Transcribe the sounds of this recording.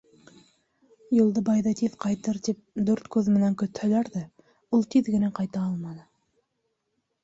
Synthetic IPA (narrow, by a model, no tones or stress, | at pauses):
julˠd̪ɤbɑjðɑt̪iðqɑjt̪ɤɾt̪ip̚d̪ʉɾt̪kʉðmɘ̆næŋkɵ̆t̪hælæɾðæ | ulˠt̪iðɡɘ̆næqɑjt̪ɑɑlˠmɑnɤ